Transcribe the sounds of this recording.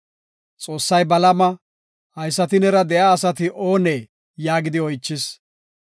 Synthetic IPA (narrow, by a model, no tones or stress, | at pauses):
t͡sʼo̞ːsːɐjbɐlɐmɐ | hɐjsːɐt̪̬ɪnɛɾɐd̪ɛjaːsɐt̪ɪʔo̞ːneː | jaːɡɪd̪ɪɔjt͡ʃːɪs